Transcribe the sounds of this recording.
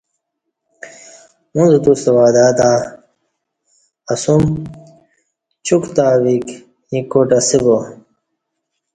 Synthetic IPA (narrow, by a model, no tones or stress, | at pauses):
munzt̪ust̪ɐwaːd̪aːt̪a | ɐsum | t͡ɕukt̪aːwik | jĩkːoʈɐsibo